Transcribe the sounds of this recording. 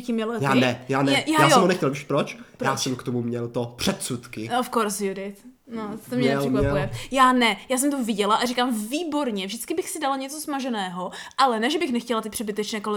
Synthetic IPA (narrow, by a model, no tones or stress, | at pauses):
cɪmɛlɛjaːnɛjaːnɛɛjjaːsoɛmɦonɛxcɛlviʃpɾot͡ʃpjaːsɛmkt̪omumɲɛlt̪opr̥ɛt̪sut̪kɪofkoɾsjudɪt̪ | not̪omɲɛɛsɛkvapɛujɛjaːnɛjaːs̬ɛmt̪ovɪɟɛlaʔarikaːmviːbo̞ɾɲɛvʒdɪt͡skɪbɪxsɪdalaɲɛt͡so̞smaʒɛnɛːɦo̞ʔalɛnɛʒɛbɪxnɛxcɛlat̪ɪpr̥ɛbɪt̪ɛt͡ʃnɛːkolɛ